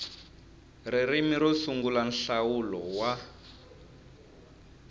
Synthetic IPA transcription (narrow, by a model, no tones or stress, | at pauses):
riɾimiɾɔsuŋɡulan̩ɬawulɔwa